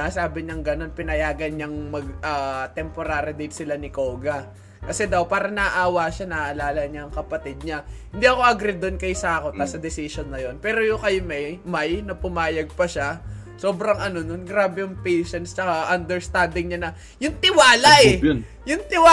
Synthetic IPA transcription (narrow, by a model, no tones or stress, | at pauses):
asaːbɪɲɐŋɡɐno̞npɪnɐjaːɡɐnɲɐŋmɐɡ̚ʔaːt̪ɛmpo̞ɾaːɾɪd̪ɪt̪sɪlanɪkoːɡɐ | kɐsɛd̪ɐwpaːɾɐnɐʔʔaːwaʃanɐʔɐlaːlɐɲaɐŋkɐpɐt̪ɪd̪̚ɲɐhɪnd̪iɐko̞ʔɐɡɾɛd̪onkɐjsaːkot̪ːɐsɐd̪ɛsɪʃonːɐjo̞npɛːɾo̞jʊŋkɐjmɛjmajnɐpʊmaːjɐɡ̚pɐʃa | so̞ːbɾɐŋʔɐno̞nonɡɾaːbɛjʊŋpejʃɛnst͡ʃɐkaʔɐnd̪ɛɹst̪and̪ɪŋɲanɐ | jʊŋt̪ɪwaːlɐʔɛ | jʊŋt̪ɪwa